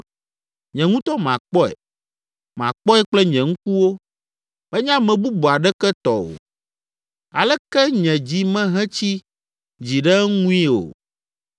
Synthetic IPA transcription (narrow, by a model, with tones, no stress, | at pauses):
ɲɛ̃˨ŋũ˦t̪ɔ˦mã˨k͡pɔ˦ɛ̰˨ | mã̰˨k͡pɔ˦ɛ˦k͡plɛ˦ɲɛ̃˨ŋũ˦ku˦wo˦ | bɛ˦ɲã˦mɛ̃˨bu˦bu˨a˨ɖɛ˦kɛ˦t̪ɔ˨o̰˨ | a˨lɛ˦kɛ˦ɲɛ̃˨d͡ʑi˨mɛ̃˦ɦɛ̃˦t͡ɕi˦ | d͡ʑi˨ɖɛ˦ŋũ˦i˦o̰˨